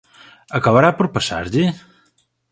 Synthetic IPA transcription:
əkəβəɾapəɾpəsa̰ɾʎi

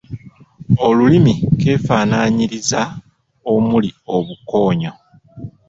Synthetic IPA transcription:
o̞lulimike̞ːfaːnaːɲiɾiza | o̞mulio̞βuko̞ːɲo

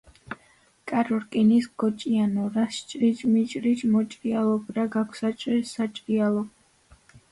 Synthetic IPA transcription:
kʼaɾɔɾkʼinisɡɔt͡ʃʼianɔɾast͡ʃʼɾit͡ʃʼmit͡ʃʼɾit͡ʃʼmɔt͡ʃʼɾialˠɔɡɾaɡakʷʰsat͡ʃʼisat͡ʃʼɾialˠɔ

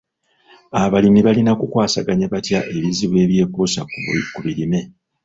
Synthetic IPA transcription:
aβalimiβalinakukwaːsaɡaɲaβatjaʔe̞βiziβwe̞ːβje̞ːpusakuβiɾime̞

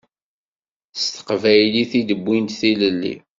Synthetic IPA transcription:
st̪ə̥qvæjliθid̪əbːint̪θiləlːḭ

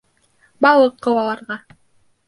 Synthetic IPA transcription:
bɑlˠɤqːɤ̆wɑlˠɑɾʁɑ

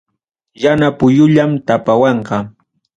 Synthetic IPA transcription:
janapʊjʊʎamt̪apawɑɴqɑ

